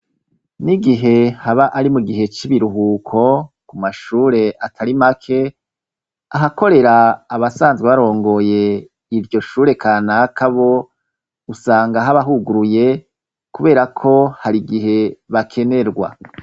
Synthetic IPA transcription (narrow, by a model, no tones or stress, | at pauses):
niɡiɦe̞haβaʔaɾimuɡiɦe̞t͡ʃiβiɾuɦukʰo̞kumaʃuːɾe̞ʔatʰaɾimakʰe̞ | aɦako̞ɾe̞ɾaːβasaːnzɡweβaɾo̞ːŋɡo̞je̞ | iɾɟo̞ʃuːɾe̞kʰaːnakʰaβo̞ | usaːŋɡaɦaβaɦuɡuɾuje̞ | kuβe̞ːɾakʰo̞haɾiɡiɦe̞βakʰe̞ne̞ɾɡwa̰